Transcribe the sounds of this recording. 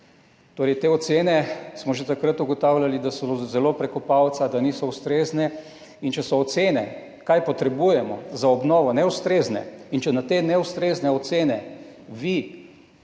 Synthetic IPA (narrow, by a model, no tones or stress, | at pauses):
t̪oːɾɛjt̪eːɔt̪seːnɛsmɔʒet̪akɾət̪uɡɔt̪aːwlʲalid̪asɔzɛlopɾɛkɔpawt̪sad̪aniːsɔust̪ɾeːznɛ | int͡ʃɛsɔːt̪seːnɛ | kajpɔt̪ɾɛbujɛmɔzaɔbnɔːʋɔnɛust̪ɾeːznɛ̰int͡ʃɛnat̪enɛust̪ɾeznɛɔt̪seːnɛ | ʋi